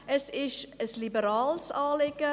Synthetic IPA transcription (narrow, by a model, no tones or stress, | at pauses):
əsɪʃəslibəɾɑːlˠsɑːlɛkə